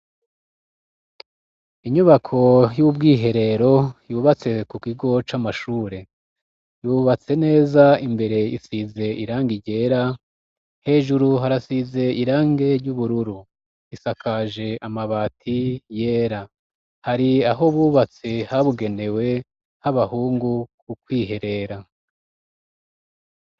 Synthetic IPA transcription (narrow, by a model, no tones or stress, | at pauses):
iɲuβakʰo̞jubɡiːɦe̞ɾe̞ɾo̞juːβat͡se̞kukiɡo̞t͡ʃamaʃuːɾe̞ | juːβat͡se̞ne̞ːzaimbe̞ɾe̞ḭsize̞iɾaːŋɡiɟe̞ːɾa | he̞ːʒuɾuɦaɾasize̞iɾaːŋɡe̞ɾɟuβuɾuɾu | isakʰaʒe̞ʔamaβaːtʰijeːɾa | haɾiaɦo̞βuβat͡se̞haβuɡe̞ne̞we̞ | haβahuːŋɡukukwiːɦe̞ɾe̞ɾa